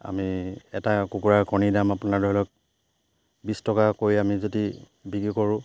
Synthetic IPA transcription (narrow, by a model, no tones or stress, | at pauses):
a̰miɛtakukuɹaɹkɔnidamapʊnadɔɦlɔk̚ | bistɔkakojamizodi | bikikɔɹʊ̃